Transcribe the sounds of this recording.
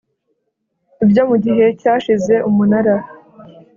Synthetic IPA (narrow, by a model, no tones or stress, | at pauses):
ibjo̞muɟiɦe̞caːʃize̞ʔumunaɾa